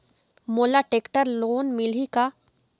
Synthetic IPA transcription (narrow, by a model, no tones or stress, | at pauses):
moːlaʈeːkʈəɾloːnmɪlika